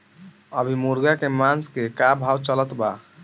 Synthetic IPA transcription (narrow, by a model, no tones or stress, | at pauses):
əbʱimuɾɡakemanskekabʱawt͡ʃələt̪ba